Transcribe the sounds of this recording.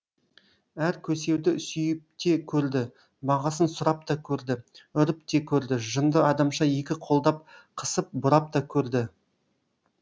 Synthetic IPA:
æɾkʲʰɵse̞wd̪ɪsʏjɪp̚t̪e̞kʲʰɵɾd̪ɪ | bɑʁɑsənsʊɾɑp̚t̪ɑkʲʰɵɾd̪ɪʏɾɪp̚t̪e̞kʲʰɵɾd̪ɪʒənd̪əɑd̪ɑmʃɑje̞kʲɪqʰo̞lˠd̪ɑp̚qʰə̥səp̚bʊɾɑp̚t̪ɑkʲʰɵɾd̪ɪ

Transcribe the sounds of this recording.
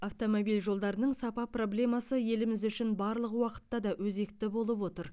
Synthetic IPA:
aft̪o̞mo̞bijlʲʒo̞lˠd̪ɑɾənəɴsɑpɑpro̞blʲe̞mɑsəje̞lɪmɪzʏʃɪnbɑɾlˠəqwɑqə̥t̪ːɑd̪ɑwɵze̞kt̪ɪbo̞lˠəpwo̞t̪əɾ

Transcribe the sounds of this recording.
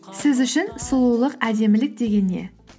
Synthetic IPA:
sɪzʏʃɪnsʊlˠuwlˠəqæd̪e̞mɪlɪk̚d̪e̞ɡʲe̞nːe̞̰

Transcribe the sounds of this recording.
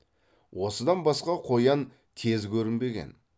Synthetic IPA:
wo̞səd̪ɑnbɑsqɑqʰo̞jɑn | kʲʰe̞zkʲɵɾɪnbe̞ɡʲe̞̰n

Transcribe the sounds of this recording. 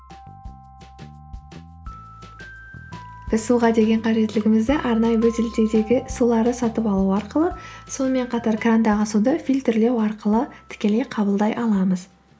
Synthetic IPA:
b̥ɪzsuʁɑd̪e̞ɡʲe̞ɴqʰɑʒe̞t̪ːɪlɪɡʲɪmɪzd̪ɪʔɑɾnɑjəwɵzɪlt̪e̞d̪e̞ɡʲɪsulˠɑɾd̪əsɑt̪əpɑlˠuɑɾqəlˠəso̞nəme̞ɴqʰɑt̪ɑɾkrand̪ɑʁəsud̪əfijlʲt̪ɪrle̞wɑɾqəlˠət̪ʰɪ̥kʲe̞le̞jqʰɑbəlˠd̪ɑjʔɑlˠɑməz̥

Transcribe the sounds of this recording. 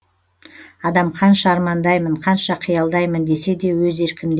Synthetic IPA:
ɑd̪ɑmqʰɑnʃɑːɾmɑnd̪ɑjməɴqʰɑnʃɑqʰijɑlˠd̪ɑjmənd̪e̞se̞d̪e̞wɵze̞ɾkʲɪmd̪

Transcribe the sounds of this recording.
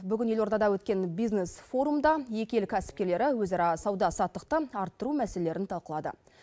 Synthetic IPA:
bʏɡʲɪne̞lo̞ɾt̪ɑd̪ɑwɵt̪kʲe̞nbijznesfo̞ɾumd̪ɑje̞kʲe̞lkʲʰæsɪ̥p̚kʲe̞ɾle̞ɾɪwɵzɑɾɑsɑwd̪ɑsɑt̪ːəq̚t̪əɑɾt̪ːəɾumæseele̞ɾɪnt̪ʰɑlˠqəlˠɑd̪ə̰

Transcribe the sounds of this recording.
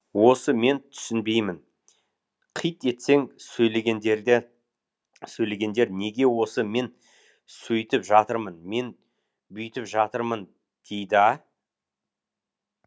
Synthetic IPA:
wo̞səme̞nt̪ʰʏ̥sɪnbe̞jmɪn | qʰijt̪e̞t̪se̞ŋsɵjle̞ɡʲend̪eɾd̪ɪ | sɵjle̞ɡʲe̞nd̪e̞ɾne̞ɡʲe̞wo̞səme̞n | sɵjt̪ɪpʒɑt̪əɾmənme̞n | bʏjt̪ɪpʒɑt̪əɾmən | d̪̥e̞jd̪ɪɑ

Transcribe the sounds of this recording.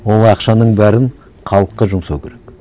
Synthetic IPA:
wo̞lˠɑqʃɑnəɴbæɾɪn | qʰɑlˠəqːəʒʊmsɑwkʲʰeɾek

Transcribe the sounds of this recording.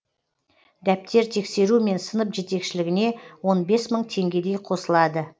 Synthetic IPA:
d̪æp̚t̪e̞ɾt̪ʰe̞kse̞ɾume̞nsənəpʒe̞t̪e̞kʃɪlɪɡʲɪne̞wo̞nbe̞sməɴt̪ʰe̞ŋɡʲe̞d̪e̞jqʰo̞səlˠɑd̪ə

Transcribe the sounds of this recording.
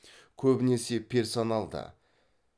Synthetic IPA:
kʲʰɵbɪne̞se̞pʲʰe̞rso̞nalˠd̪ə̰

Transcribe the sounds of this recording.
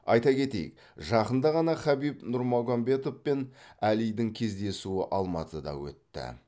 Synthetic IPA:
ɑjt̪ɑkʲe̞t̪e̞̰jɪ̰k | ʒɑqənd̪ɑʁɑnɑχæbijpnʊɾmoɡambe̞t̪o̞fpe̞nælijd̪ɪŋkʲʰe̞zd̪e̞suɪʔɑlˠmɑt̪əd̪ɑ̰wɵ̰t̪ːɪ̰

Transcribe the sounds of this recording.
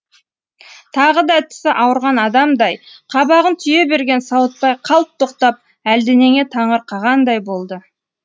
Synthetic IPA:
t̪ʰɑʁəd̪ɑt̪ʰɪ̥sɪʔɑwəɾʁɑnɑd̪ɑmd̪ɑjqʰɑbɑʁənt̪ʰʏje̞be̞ɾɡʲe̞nsɑwət̪̚pɑjqʰɑlˠp̚t̪ʰːoqt̪ɑp̚ | æld̪ɪne̞ŋe̞t̪ʰɑɴəɾqʰɑʁɑnd̪ɑjbo̞lˠd̪ə

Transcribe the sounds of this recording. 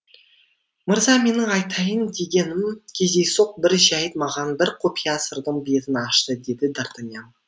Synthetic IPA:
məɾzɑme̞nɪɑjt̪ʰɑjənd̪e̞ɡʲe̞nɪmkʲʰe̞zd̪ejsoq̚bɪɾʒæjət̪mɑʁɑnbɪɾqʰopijasəɾd̪əɴbe̞t̪ɪnɑʃt̪əd̪e̞d̪ɪd̪aɾt̪anʲjam

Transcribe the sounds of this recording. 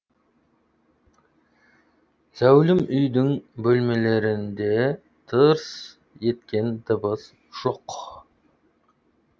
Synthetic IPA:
z̥æwlɪmʏjd̪ɪŋbɵlme̞le̞ɾɪnd̪e̞ | t̪ʰəɾs | je̞t̪kʲe̞nd̪əbəz | ʒ̥oq

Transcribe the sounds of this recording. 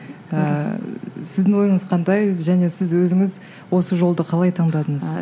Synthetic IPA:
ə | sɪzd̪ɪŋwo̞jəɴəz̥qʰɑnd̪ɑjʒæne̞sɪzwɵzɪŋɪz | wo̞səʒo̞lˠd̪əqʰɑlˠɑjt̪ʰɑɴd̪ɑd̪əɴəz

